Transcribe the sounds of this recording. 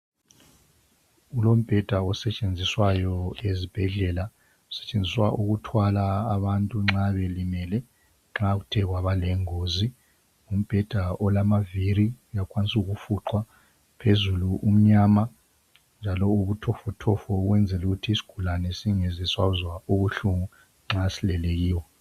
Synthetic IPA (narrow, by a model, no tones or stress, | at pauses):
ulom̩b̥ʱɛd̥ʱaɔsɛt͡ʃʼend͡zʱiswajɔezib̥ʱɛɮɛla | u̥sɛ̥t͡ʃʼend͡zʱiswaʔuɣutʰwalaːβantʼuŋ͡ǁaβelimɛlɛ | ŋ͡ǁaɣutʰɛɣwaβalɛŋozi | um̩b̥ʱɛd̥ʱaʔɔlamaviɾiujakʰʼwanisuɣufuǃwa | pʰezuluʔum̩ɲama | nd͡ʒʱalɔuβutʰɔfɔtʰɔfɔɣwɛnd͡zʱɛluɣutʰiːsi̥ɡ̥ʱulanɛsiŋezɛswazwauβuɬuŋu | ŋ͡ǁasilɛleɣiːwɔ